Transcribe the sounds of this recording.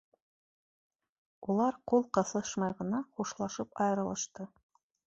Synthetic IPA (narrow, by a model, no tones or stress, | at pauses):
ulˠɑɾqulˠqɤ̆θˠɤʃmɑjʁɤ̆nɑχuʃlˠɑʃɤpɑjɤ̆ɾɤ̆lˠɤ̆ʃt̪ɤ